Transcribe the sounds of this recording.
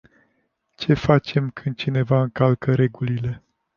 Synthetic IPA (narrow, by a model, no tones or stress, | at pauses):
t͡ʃe̞fat͡ʃe̞mkʰɨnd̪̚t͡ʃine̞vaɨŋkalkəɾe̞ɡulile̞